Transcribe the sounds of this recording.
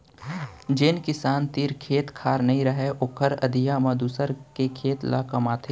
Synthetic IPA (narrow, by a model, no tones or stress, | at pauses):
d͡ʒɪnkɪsaːnt̪iːɾkʰeːt̪kʰaːɾnɐɦĩɾɐɦeʔʊkʰəɾɐ̰d̪ijamɐ̃d̪uːsəɾkekʰeːt̪la̰kɐmaːt̪ʰeː